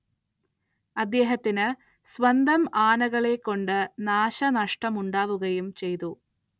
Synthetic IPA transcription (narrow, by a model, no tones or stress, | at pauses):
ɐd̪ːeːɦɐt̪ːinɨ | sʋɐnd̪ʱɐmaːnɐɣɐɭekːo̞ɳɖɨnaːɕɐnɐʂʈɐmuɳɖaːʋuɣɐjumt͡ɕe̞jt̪u